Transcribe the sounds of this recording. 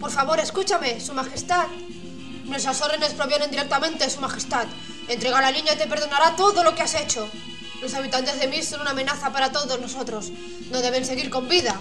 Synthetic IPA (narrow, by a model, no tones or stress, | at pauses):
po̞ɾfaβo̞ɾe̞skut͡ʃame̞sumaxe̞st̪at̪ | nwest̪ɾaso̞ɾðene̞spɾo̞βje̞nend̪iɾe̞k̚t̪amẽ̞nt̪esumaxe̞st̪at̪ | e̞nt̪ɾe̞ɣalanĩɲat̪e̞pe̞ɾð̞o̞naɾat̪o̞ðo̞lo̞kease̞t͡ʃo̞ | lo̞saβ̞it̪ant̪e̞zðe̞miso̞nunamẽ̞naθapaɾat̪o̞ðo̞zno̞so̞t̪ɾo̞s | nozðe̞β̞e̞nseɣ̞iɾko̞mbiða